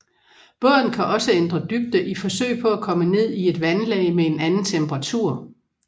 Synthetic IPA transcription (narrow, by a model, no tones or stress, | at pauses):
b̥œɐ̰d̥n̩kʰæʔɒ̽səend̥ʁɐd̥yɡ̥̚d̥əʔifɒ̽sø̰ɪpʰɒ̽ækʰɒ̽məne̝ð̰ˠie̝d̥ʋænlɛ̰ɪmee̝nænn̩t͡sʰemb̥ɐʁɑ̈t͡sʰuɐ̰